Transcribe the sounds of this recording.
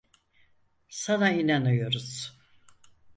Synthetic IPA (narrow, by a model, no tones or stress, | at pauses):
sanainanɯjo̞ɾuz̥